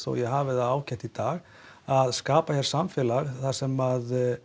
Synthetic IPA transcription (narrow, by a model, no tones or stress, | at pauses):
θɔ̰wjɛɦaːvɪθaðaːwcʰɛht̪it̪aːɣ | aðskaːpaçɛɾ̥samfɪːlaɣθḁsɛmað